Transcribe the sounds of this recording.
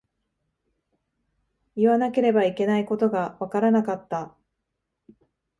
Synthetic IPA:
iβanake̞ɾe̞baike̞naiko̞t̪o̞ɡaβakaɾanakat̪ːa

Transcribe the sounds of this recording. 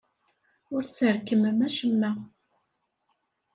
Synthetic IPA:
ʊɾt͡sːəɾkːəməmæʃəmːæ

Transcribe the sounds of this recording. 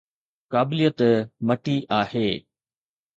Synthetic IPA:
kaːbɪlijət̪mɐʈiʔaːheː

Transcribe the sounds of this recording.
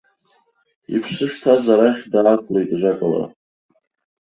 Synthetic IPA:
ḭpʰʂɨʂtʰazaɾaχʲdaːkʷʰʼlejtʼʒʷᶣakʼala̰

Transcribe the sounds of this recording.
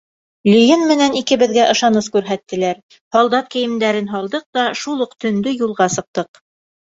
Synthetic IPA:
lʲɵ̆jɘnmɘ̆nænikɘ̆βɘ̆ðɡæʔɤ̆ʃɑnɤskʉɾɦæt̪ːɘ̆læɾ | hɑlˠd̪ɑt̪̚kɘ̆jɘ̆md̪æɾɘnɦɑlˠd̪ɤq̚t̪ɑʃulˠuqt̪ɵ̆nd̪ɵjulˠʁɑsɤ̆q̚t̪ɤq

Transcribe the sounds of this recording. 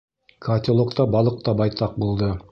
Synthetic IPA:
kʰat̪ʲɪlˠokt̪ɑbɑlˠɤ̆q̚t̪ɑbɑjt̪ɑq̚bulˠd̪ɤ

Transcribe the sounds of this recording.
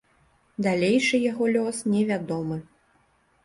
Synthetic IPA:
d̪alʲejʂɨjaɣɔlʲɔsnʲɛvʲad̪ɔmɨ

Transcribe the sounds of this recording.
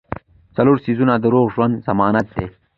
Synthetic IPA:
t͡saloːɾsizunad̪əɾoːɣʒwand̪z̥ɐmɑːnat̪̚d̪e

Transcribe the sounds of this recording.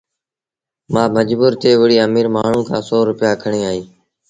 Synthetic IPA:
mãːməd͡ʒbuːɾt̪eːʋəɽiːəːmiːɾmaːɳ̤ũːkʰãːsɔːɾʊpɪjaːkʰəɳeːaːiː

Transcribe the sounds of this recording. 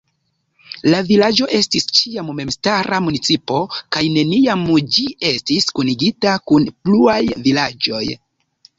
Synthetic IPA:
lavilad͡ʒo̞ʔe̞stist͡ʃiamme̞mstaɾamunit͡sipo̞kajne̞niamd͡ʒie̞stiskuniɡitakunpluajvilad͡ʒo̞̰j

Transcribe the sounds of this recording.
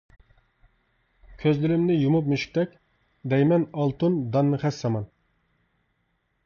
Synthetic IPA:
kʲʰøzlyɾɪmnɪjumup̬̚myʃi̥k̚ʲt̪ɛkʲ | d̪ɛjmɛnɑlˠt̪und̪ɑnːɨχɛsːɑmɑn

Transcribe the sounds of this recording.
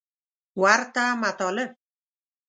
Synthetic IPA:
wart̪amat̪ɔlə

